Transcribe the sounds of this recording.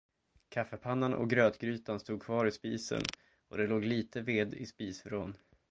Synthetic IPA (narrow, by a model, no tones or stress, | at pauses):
kʰafːəpʰanːanʔɔ̰ɡɾøːt̪ɡɾyːt̪anst̪uːɡ̪̚kʰvɑːɾɪspiːsə̰n | ɔd̪ɛloːɡliːt̪əveːd̪ɪ̰spiːsfɾoːn